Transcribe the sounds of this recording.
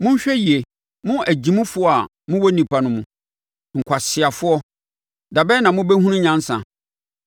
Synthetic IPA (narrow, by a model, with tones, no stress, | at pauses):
mʊ̃˦ɲ˦ɕᶣɛ˦ji˨e˨ | mʊ̃˦ʔæ˨d͡ʑĩ˨mũ˦fʊ˦ɔ˦a˨ | mʊ̃˦wɔ˦nĩ˨pʰa˨nʊ̃˦mũ˨ | ŋ̩˨kʷʰa˨sɪ˨a˨fʊ˦ɔ˦ | da˨bɛ˦nã˨mʊ̃˦bɛ˦hũ˦nʊ̃˦ɲã˦n̩˦sã̰˨